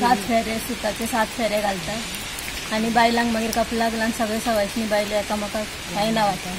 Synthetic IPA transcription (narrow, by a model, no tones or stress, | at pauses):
sat̪feɾesut̪at̪esat̪feɾeɡʱalt̪a | anibajlãŋɡməɡiːɾkəplaɡlãnsəɡɭesəɡajt̪niːbajleɛkaməka | ajnaʋat̪a